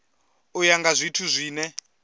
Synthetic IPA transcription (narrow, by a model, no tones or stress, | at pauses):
ujaŋɡazʷitʰuzʷiːnɛ